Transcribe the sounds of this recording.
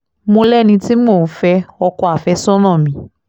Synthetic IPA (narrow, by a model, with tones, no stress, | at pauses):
mo˧lɛ˦˨nĩ˧ti˦mo˦˨˦fɛ˧˦ɔ˧kɔ˧a˨fɛ˧˦sɔ̃˦nɔ̃˦˨mĩ˨˦